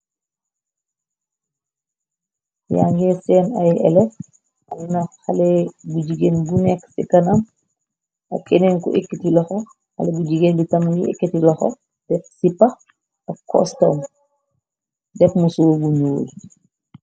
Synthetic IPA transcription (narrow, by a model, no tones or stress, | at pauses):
ja̰ŋɡɛsɛːnɐjɛ̰lɛt | nɐxɐlɛbuɟiɡeːnbunɛksḭkɐnɐm | ʔɐ̰kɛnɛnkuʔikːitilɔxɔ | xɐ̰lɛbuɟiɡeːnbitɐmniʔḭkːitilɔxɔ̰ | d̥ɛk̚sipːɐx | ɐkːɔ̰stɔm | dɛkmusubuɲuwl